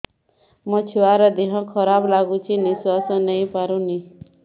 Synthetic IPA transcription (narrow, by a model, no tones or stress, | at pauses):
mʌt͡ʃʰuaɾɔd̪iɦɔ̃kʰʌɾablaɡut͡ʃʰiniswasɔ̃nʌĩpaɾũni